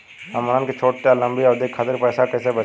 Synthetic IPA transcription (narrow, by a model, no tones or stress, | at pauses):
ɐmənənket͡ʃʰoːʈ̚ʈalə̃mbiɔːɾd̪eːkʰːaːt̪ɪɾpɛːsakɛːsebə